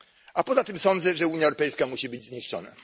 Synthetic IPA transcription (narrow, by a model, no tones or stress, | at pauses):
ʔapɔzat̪ɘmsɔnd̪zɛʐɛuɲjaɛwɾɔpɛjskamuɕibɘd͡ʑzɲiʂt͡ʂɔ̰na̰